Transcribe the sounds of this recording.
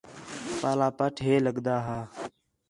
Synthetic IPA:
paːlaːpəʈʰɦeːləɡd̪aːɦaː

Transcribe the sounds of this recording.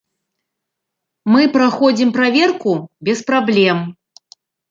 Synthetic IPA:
mɨpɾaxɔd͡zʲimpɾavʲɛrkubʲɛspɾablʲɛm

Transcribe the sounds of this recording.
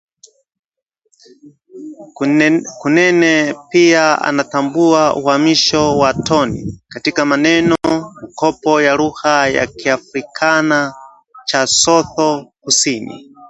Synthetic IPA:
kunɛnɛpiaa̰natambuauhamiʃɔwatʰɔnḭkatikamanɛnɔmikʰɔpɔjaɾuhaja̰kʰiafɾikʰana | t͡ʃasɔθɔkusiːnḭ

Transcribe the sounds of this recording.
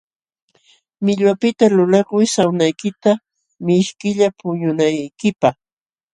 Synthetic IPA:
mɪʎwapɪt̪alʊlakʊjsawnajkɪt̪a | mɪʃkɪʎapʊɲʊnajkɪpɑχ

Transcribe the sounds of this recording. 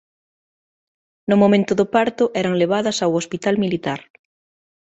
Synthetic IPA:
nʊmõmẽnt̪ʊðopaɾt̪ʊʔɛɾɐŋleβ̞aðɐsawospit̪almilit̪aɾ

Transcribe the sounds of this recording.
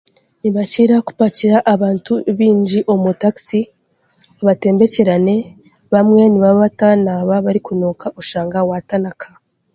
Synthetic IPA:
niβaciɾaku̥paciɾaʔːβaːntuβiːɲɟiʔo̞mutaksi | aβate̞ːmbe̞ceɾane̞ | βamŋe̞niβaβatanaβaβaɾikunoːkʰaʔuʃaːŋɡawatanakʰa

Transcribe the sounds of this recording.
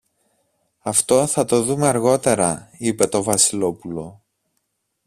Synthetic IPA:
ɐft̪o̞θɐt̪o̞ðumeɐɾɣo̞t̪e̞ɾɐipe̞t̪o̞vɐsilo̞pulo̞

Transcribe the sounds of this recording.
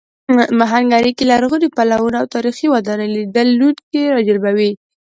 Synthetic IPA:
maɦaŋɡaɾikelaɾɣəɾipalawunawt̪ɑɾixiwad̪ɑnelid̪əlːuʈ̪keɾɑd͡ʒalbawi

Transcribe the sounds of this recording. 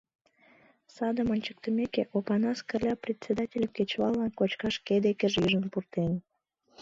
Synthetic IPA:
sɑd̪əmənʲt͡ɕə̥k̚t̪ə̆mekeʔopɑnɑskərlʲɑprʲet̪ʲt͡sʲed̪ɑtʲelʲəmket͡ɕβɑlːɑnkot͡ɕkɑʃked̪ekəʒiʒənpurt̪en

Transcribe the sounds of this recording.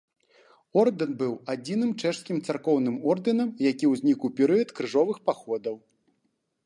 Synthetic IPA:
ɔrd̪ɨnbɨwad͡zʲinɨmt͡ʂɛʂskʲimt̪sarkɔwnɨmɔrd̪ɨnɐmjakʲiwzʲnʲikuwpʲɛɾɨjɐt̪kɾɨʐɔvɨxpaxɔd̪ɐw

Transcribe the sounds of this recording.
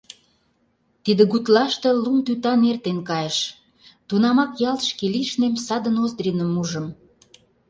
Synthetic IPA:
t̪id̪ə̆ɣut̪lɑʃt̪ĕlumt̪yt̪ɑnert̪enkɑjeʃ | t̪unɑmɑkjɑlt̪ə̥ʃkeliʃnemsɑd̪ənozd̪ɾinəmuʒəm

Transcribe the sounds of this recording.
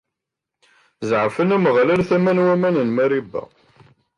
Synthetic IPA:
zʕəfənæməʁlælθæmænwæmænənmæɾibːæ̰

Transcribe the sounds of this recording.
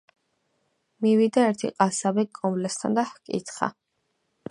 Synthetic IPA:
mivid̪aɛɾt̪ʰiqʼasabikʼːɔmblɛst̪ʰa̰nd̪ahkʼḭt̪χa̰

